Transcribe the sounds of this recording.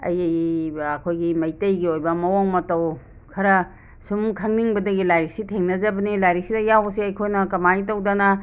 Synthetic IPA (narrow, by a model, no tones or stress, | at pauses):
ɐ̰jjɐkʰojɡimɐjtɐjɡiojbɐmɐwoŋmɐtɐw | kʰɐɾɐ | sumkʰɐŋniŋbɐdɐɡilajɾik̚sitʰeŋnɐzɐbɐnilajɾiksidɐjawɐsiɐjkʰojnɐkɐmaitɐwdanɐ